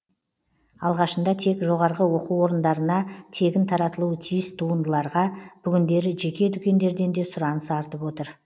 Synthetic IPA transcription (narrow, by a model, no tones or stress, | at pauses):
ɑlˠʁɑʃənd̪ɑt̪ʰe̞kʒo̞ʁɑɾʁəwo̞quwo̞ɾənd̪ɑɾənɑt̪ʰe̞ɡʲɪnt̪ʰɑɾɑt̪əlˠuət̪ʰijɪst̪ʰuənd̪əlˠɑɾʁɑb̥ʏɡʲɪnd̪e̞ɾɪʒe̞kʲe̞d̪ʏkʲe̞nd̪e̞ɾd̪e̞nd̪e̞sʊɾɑnəsɑɾt̪əpwo̞t̪əɾ